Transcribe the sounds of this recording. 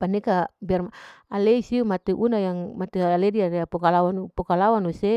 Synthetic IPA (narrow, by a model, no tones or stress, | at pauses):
panekabiarmaaleisiumat̪eʔunajaŋmat̪ealediaɾeapokalawanupokalawanuse